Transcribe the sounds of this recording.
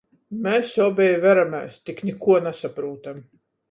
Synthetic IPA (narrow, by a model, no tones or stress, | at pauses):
mɛːssɔːbʲɛjvæɾamʲæ̰ːst̪iknʲikuɔnasapɾuːt̪am